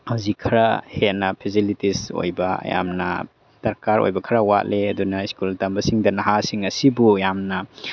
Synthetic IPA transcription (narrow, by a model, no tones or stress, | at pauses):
hawzikʰːɐɾahenɐpʰisilitiso̰jbɐɐ̰ja̰mnɐ̰ | sɐɾkaɾo̰jbɐkʰɐɾɐwa̰t̚leɐdunɐiskultambɐsiŋdɐnɐɦasiŋɐsibujamnɐ